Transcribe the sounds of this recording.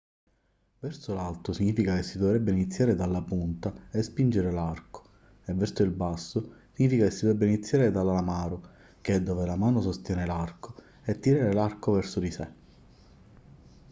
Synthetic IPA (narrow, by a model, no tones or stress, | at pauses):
vɛrsʊlalt̪ʊsiɲːiːfikakesːid̪ɔvɾɛbːeinit̪sːjaːɾed̪alːapunt̪aespind͡ʒeɾelarko̥ | ɛvːɛrsʊilbasːʊsiɲiːfikakesːid̪ɛbːeinit̪sːjaːɾed̪alalamaːɾʊ | k̟ɛd̪ːɔːvelamaːnʊsost̪jɛːnelarko | ɛt̪ːiɾaːɾelarkovɛrsʊd̪ise